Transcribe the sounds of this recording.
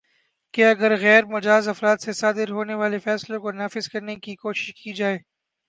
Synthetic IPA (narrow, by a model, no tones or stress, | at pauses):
keɐɡəɾɣɛːɾmʊd͡ʒaːzɐfɾaːt̪sesaːd̪ɪɾɦoːneʋaːlefɛːslõkonaːfɪzkɐɾnekikoːʃɪ̥ʃkid͡ʒaːeː